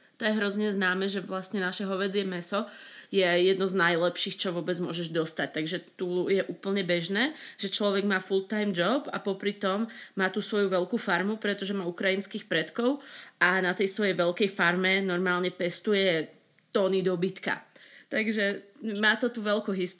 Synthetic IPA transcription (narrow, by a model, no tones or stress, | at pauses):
t̪ɔjɛɦɾɔzɲɛznaːmɛːʒɛʋlasɲɛnaʃɛɦɔʋɛd͡zɪɛmɛsɔjɛjɛd̪nɔznajlɛpʃiːxt͡ʃɔʋʊɔbɛd͡zmʊɔʒɛʒd̪ɔst̪ac̚t̪aɡʒɛt̪ujɛʔuːpl̩ɲɛbɛʒnɛːʒ̥ɛt͡ʃlɔʋɛɡmaːfulˠt̪ajmd͡ʒɔba̰pɔpɾit̪ɔmːaːt̪usʋɔjuʋɛlkuːfaɾmupɾɛt̪ɔʒɛmaukɾajinskiːxpɾɛt̪kɔʊʔanat̪ɛjsʋɔjɛjʋɛʎkɛjfaɾmɛnɔɾmaːlɲɛpɛst̪ujɛ | t̪ɔnid̪ɔbit̪ka̰t̪aɡʒɛmaːt̪ɔt̪uʋɛlkuɦist̪